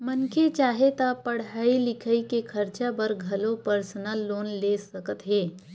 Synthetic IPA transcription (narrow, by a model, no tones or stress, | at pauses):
mənkʰet͡ʃaːɦet̪apɐɽ̤aːilɪkʰəikekʰɐɾt͡ʃabəɾɡʱɐlopəɾsənəlːoːnlesɐkət̪ɦeː